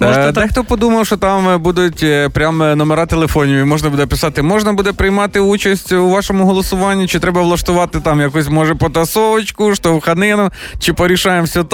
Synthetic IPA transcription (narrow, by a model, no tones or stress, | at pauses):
d̪ɛxt̪ɔpɔd̪umɐwʃɔt̪ɑmbud̪ʊtʲpɾʲamnɔmeɾɑt̪elˠefɔnʲiʋʲimɔʒnɐbud̪ɛpɪsɑt̪ɪmɔʒnɐbud̪ɛpɾɪjmɑt̪ɪut͡ʃɐsʲtʲuʋɑʃɔmʊɦɔlˠɔsʊʋɑnʲːit͡ʃɪt̪ɾɛbɐʋlˠɐʃt̪ʊʋɑt̪ɪt̪ɑmjɐkusʲmɔʒɛpɔt̪ɐsɔʋɐt͡ʃkʊʃt̪ɔwxɐnɪnʊt͡ʃɪpɔɾʲiʃɑjemsʲɐt̪